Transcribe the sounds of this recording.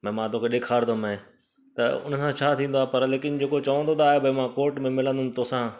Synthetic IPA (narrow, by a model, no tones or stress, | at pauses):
mɛ̃ːmãːt̪okʰeɗɪkʰaːɾd̪omə̃ | t̪ɐʊ̰nəsãt͡ɕʰaːt̪ʰĩːnd̪oaːpɐɾleːkɪnd͡ʑeːkot͡ɕɐʋə̃nd̪ot̪aːɦebʱɐimãːkoːɾʈmẽmɪlə̃nd̪ʊnɪ̆t̪oːsã